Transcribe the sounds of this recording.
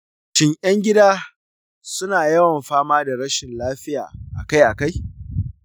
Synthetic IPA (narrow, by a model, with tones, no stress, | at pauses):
t͡ʃɪ˦ɲʔɐ˦ŋɡʲɪ˦daː˦ | sʊ˦naː˨jɐ˦wɐ˨mɸaː˦maː˦da˨ɽɐ˦ʃɪ˨nlaː˦ɸɪ˦ja̰ː˨ʔa̰˨ka˦jʔa˨ka˦j